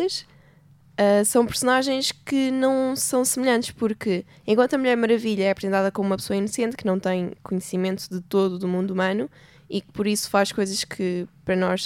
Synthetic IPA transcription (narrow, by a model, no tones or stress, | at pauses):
ɐʃ | ɛsɐ̃w̃pɨɾsunaʒẽj̃ʃkɨnɐ̃w̃sɐ̃w̃sɨmʎɐ̃nt̪ɨʃpuɾkɨ | ẽkwɐ̃nt̪ɐmuʎɛɾmɐɾɐviʎɐɛɐpɾzẽnt̪aðɐkomuumɐpsoɐinusẽnt̪kɨnɐ̃w̃t̪ɐ̃j̃kuɲsimẽnt̪uðɨt̪oðuðumũnd̪umɐnu | ikɨ̥pɔɾisu̥faʃkojzɐʃkʰɨpɾɐnɔʃ